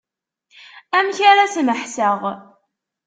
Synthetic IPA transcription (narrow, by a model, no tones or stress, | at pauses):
æmçaɾasməħsəʁ